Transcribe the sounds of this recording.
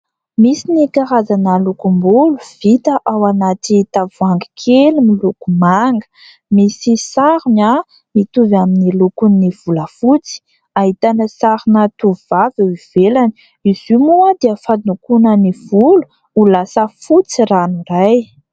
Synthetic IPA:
misinikaɾazanalukumbuluv̥it̪əʔawanatit̪avuaŋɡi̥kʰelimilukumaŋɡə̥ | misisaɾuma | mit̪uvaminilukunniv̥uləfut͡si̥ | aɦit̪anəsaɾinat̪uvivaviiv̥elani | izumuad̪eəfad̪nukunəniv̥ulu̥ | ulasəfut͡siranuraj

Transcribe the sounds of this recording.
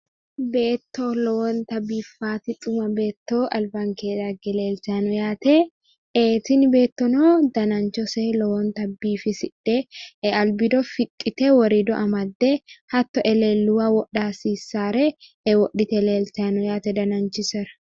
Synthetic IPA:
beːt̪ːoːlɔwɔnt̪ɐbiːfːaːt̪ɪt̪ʼʊmɐbe̞ːt̪ːoːʔɐlbaŋkeːᶑɐɡɛle̞ːltanɔjaːt̪ɛ | ʔeːt̪ɪnbe̞ːt̪ːɔnoːd̪ɐnɐnt͡ʃɔseːlɔwɔnt̪ɐbːiːfɪsɪᶑːɛɛɐlbɪd̪ɔfɪkʼːɪt̪ɛwɔɾid̪ɔʔɐmɐd̪ːɛhɐt̪ːɔʔɛleːlːʊwaːwɔɗːaːsiːsːaːɾɛʔɛwɔʔːɪt̪ɛleːltanɔjaːt̪ɛd̪ɐnɐnt͡ʃɪsɛɾɐ̥

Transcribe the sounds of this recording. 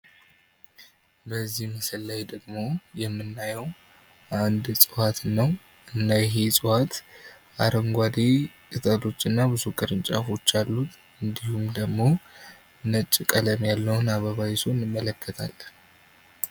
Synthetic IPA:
bəzːihməsəlːajd̪əɡmo̞jɛmːɨnːajɛw | ʔand̪sʼɨwat̪nːəw | ɨnːajɛɦe̞sʼɨwat̪ | ʔaɾəŋɡʷad̪e | kʼɨt̪ʼət̪o̞t͡ʃːɨnːabɨzukʼɨɾɨnt͡ʃʼafo̞t͡ʃːalːut̪ | ɨnd̪ihumd̪əɡmo̞ | nət͡ʃʼːikʼələmjalːəwʊnaβəβajisonɨmːələkːət̪ʰa̰l

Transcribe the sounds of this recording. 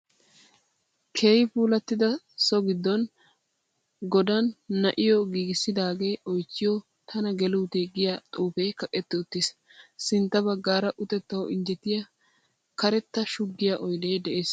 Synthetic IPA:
kʰeːjɪpuːlɐt̪ːɪd̪ɐ | sɔɡɪd̪ːɔn | ɡɔd̪ɐnːɐʔɪjɔɡiːɡɪsːɪd̪aːɡe̞ːɔjt͡ʃːɪjɔ | t̪ʰɐnɐɡɛluːt̪eːɡɪjat̪ʼuːfɛjkɐkʼːɛt̪ːɪʊt̪ːɪs | sɪnt̪ːɐbɐɡːaːɾɐʔʊt̪ɛt̪ːɐwɔʔɪnd͡ʒɛt̪ːɪjɐ | kɐɾɛt̪ːɐʃʊɡːɪjaʔɔjd̪ejd̪ɛʔeːs

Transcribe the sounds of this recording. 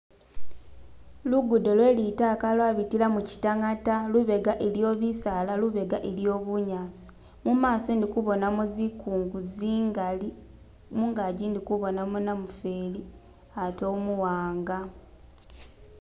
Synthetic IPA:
luɡudo̞lwe̞ːlitakalwaβitilamuci̥taŋataluβe̞ɡaʔeljo̞ːβisalaluβe̞ɡaʔeljo̞ːβuɲaːsi̥ | mumaːsondikuβo̞namuzikuːŋɡuziŋɡali | muŋɡaɟindikuβo̞namunamufeːli | atoːmuwaːŋɡa

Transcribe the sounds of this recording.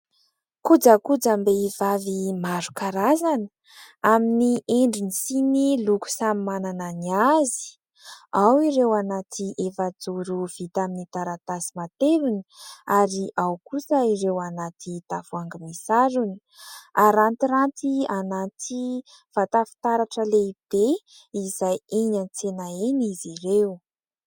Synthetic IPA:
kud͡zakud͡zambeivavimaɾu̥kaɾazanə | aminieɳɖ͡ʐinisiniluku̥samimanananiazi̥ | awiɾewanat̪ʰiʔefad͡zuɾuv̥it̪aminit̪aɾat̪asi̥mat̪eɾuni̥aɾiʔawkusəiɾewanat̪it̪afuaŋɡimisaɾuni̥ | aɾant̪iɾant̪ianat̪i | v̥at̪afu̥t̪aɾaʈ͡ʂəleib̥e | izajeɲant͡senaenizirew

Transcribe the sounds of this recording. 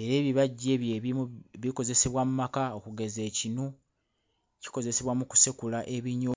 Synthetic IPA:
e̞ɾe̞ːβiβaɟːe̞ːβjeiβiko̞ze̞se̞βwamumakaokuɡe̞ze̞ːcino | ci̥ko̞ze̞se̞βwamuku̥sekulaʔe̞βiɲo

